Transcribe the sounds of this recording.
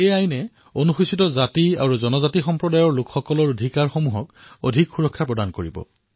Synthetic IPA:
ejajnɛ | onuxusitɔzatia̰ɹuzɔnɔzatixɔmpɹɔdajɔɹlʊkxɔkɔlɔɹodʱikaɹxomuɦɔk | o̰dʱikxuɹɔkʰːapɹɔdankoɹibɔ̰

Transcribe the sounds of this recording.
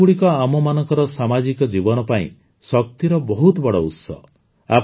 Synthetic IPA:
uɽikɔamɔmanɔŋkɔɾɔsamad͡ʒikɔd͡ʒibɔnɔpaḭ̃ | sɔk̚t̪iɾɔbɔɦut̪ɔbɔɽɔṵt̪sɔ̰ | a̰p

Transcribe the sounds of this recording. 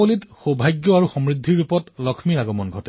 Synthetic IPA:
olitxobʱajɡjɔaɹuxɔmɹidʱːiɹupɔtlɔkʰmiɹaɡɔmɔnɡʱɔtɛ

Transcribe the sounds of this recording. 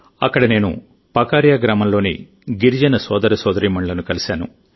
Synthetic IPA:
ɐkːɐɽɐne̞ːnṵ | pɐkaːɾjaːɡɾaːmɐnlo̞ːnḭ | ɡiɾid͡ʒɐnɐsɔːd̪ɐɾɐsɔːd̪ɐɾiːmɐɳlɐnukɐlisaːnṵ

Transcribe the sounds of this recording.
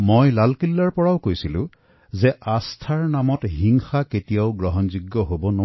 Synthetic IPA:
mojlalkilːaɹpɔɹaʊkojsilʊ̰̃ | zɛʔastʰaɹnamɔtɦiŋxaketijaʊɡɹɔɦɔnzuɡːɔɦobɔno

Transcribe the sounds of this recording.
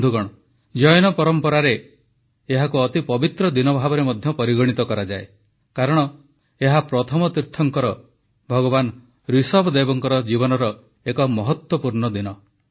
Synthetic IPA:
d̪ʱuɡɔɽ̃ɔ | d͡ʒɔjnɔpɔɾɔmpɔɾaɾeː | ɦakuɔt̪ipɔbit̪ɾɔd̪inɔbʱabɔɾemɔd̪ʱjɔpɔɾiɡɔɽ̃it̪ɔkɔɾad͡ʒae | kaɾɔɽ̃ɔ | eɦapɾɔt̪ʰɔmɔt̪iɾt̪ʰɔŋkɔɾɔ | bʱɔɡɔban | ɾisɔbɔd̪ebɔŋkɔɾɔd͡ʒibɔnɔɾɔ | ekɔmɔɦɔt̪wɔpuɾɳɔd̪inɔ

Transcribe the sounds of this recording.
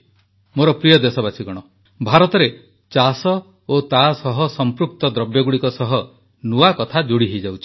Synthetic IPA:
moɾɔpɾijɔd̪esɔbasʰiɡɔɽ̃ɔ | bʱaɾɔt̪ɔɾe | t͡ʃasɔ | ot̪asɔɦɔsɔmpɾuk̚t̪ɔd̪ɾɔbjɔɡuɽikɔsɔɦɔ | nuakɔt̪ʰad͡ʒoɽiɦejd͡ʒawt͡ʃʰi̥

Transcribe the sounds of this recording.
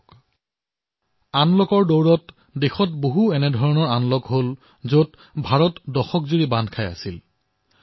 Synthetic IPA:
k | anlɔkɔɹdowɹɔt | dexɔtboɦuɛnɛdʱɔɹɔnɔɹanlɔkɦol | zot | bʱaɹɔtdɔxɔkzuɹibandʱkʰaja̰sil

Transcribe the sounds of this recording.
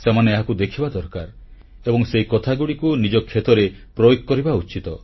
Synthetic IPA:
semaneaɦakud̪ekʰibad̪ɔɾkaɾ | ebɔŋseikɔt̪ʰaɡuɽikunid͡ʒɔkʰːet̪ɔɾepɾɔjoɡkɔɾibaut͡ʃit̪ɔ

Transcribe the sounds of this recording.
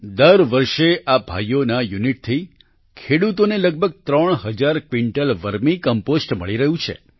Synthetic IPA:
d̪əɾʋəɾʃeʔabʱa̰jonajuniʈ̚t̪ʰi | kʰeɽut̪oneləɡ̚bʱəɡ̚t̪ɾəɳ̃ɦəd͡ʒaɾkʋiɳʈəlʋəɾmikəmposʈməɭiɾəɦũt͡ʃʰḛ

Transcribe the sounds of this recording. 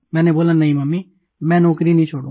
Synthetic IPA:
mɛ̃ːneːboːlaːnəĩːməmːiː | mɛ̃ːnɔːkɾiːnĩːt͡ʃʰoːɽõː

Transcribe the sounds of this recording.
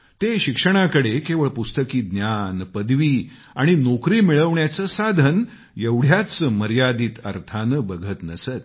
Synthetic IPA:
t̪eɕikʂəɽ̃akəɽekeʋəɭpust̪əkiːd̪njanpəd̪ʋiː | aɽ̃inokɾiːmiɭəʋɳjat͡səsad̪ʱən | jeʋɽ̤jat͡səməɾjad̪iːt̪əɾt̪ʰanəbəɡʱət̪nəsət̪

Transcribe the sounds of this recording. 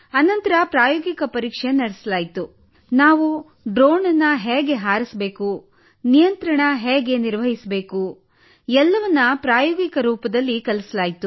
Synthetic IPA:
ɐnɐnt̪ɐɾɐpɾaːjoːɡikɐpɐɾiːkʂenɐɽesɐlaːjit̪u | naːʋu | ɖɾoːnɐnːɐɦeːɡeɦaːɾisbe̞ːku | nijɐnt̪ɾɐɳɐɦeːɡe̞niɾʋɐɦisbe̞ːku | ɛlːɐʋɐnːɐpɾaːjɔːɡikɐɾuːpɐd̪ɐlːikɐlɐsɐlaːjit̪u

